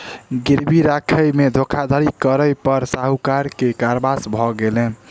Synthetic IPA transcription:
ɡiɾbʱiɾakʰəjmed̪ʱokʰad̪ʱaɾikəɾəjpəɾsaɦukaɾkekaɾbasbʱɔɡelɛ

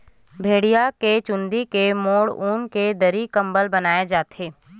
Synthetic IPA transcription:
bʱeːɽijaket͡ʃʊ̃nd̪ikemoːɽuːnked̪əɾikɐ̃mbəlbɐnaːed͡ʒaːt̪eː

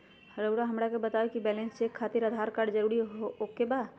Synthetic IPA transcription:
həɾoʊɾaɦɐmɾakebət̪aekibɛːlẽnssekʰːaːt̪iɾəd̪ʱaːɾkaːɖd͡ʒəɾuːɾiɦookebaːd̪

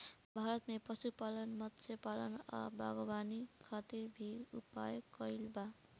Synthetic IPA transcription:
bʱaɾʌt̪mepʌsupalʌnmʌt̪sʰepalʌnʌ̰bʱa̰ɡobanikʰat̪iɾbʱiupa̰jokːʌjlba

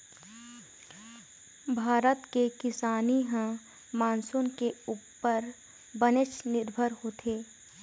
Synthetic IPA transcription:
bʱaːɾət̪kekɪsaːniɦə̃ | maːnsʊnkeuːpːəɾ | bənɪʃnɪɾbʱəɾhoːt̪ʰeː

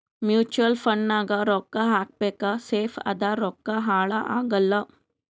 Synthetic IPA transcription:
mjuːt͡ʃuəlfɐɳːaːɡaɾoːkːaɦaːk̚pekaseːfɐ̰d̪aɾoːkːaɦaːɭaʔaːɡɐlːə

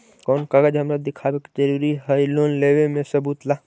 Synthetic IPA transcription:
kɔːnkaɡəd͡ʒɦɐmɾəd̪ɪkʰaːbeki̥t͡ʃəɾuːɾiɦəiloːnleːʋemẽsəbuːt̪laː

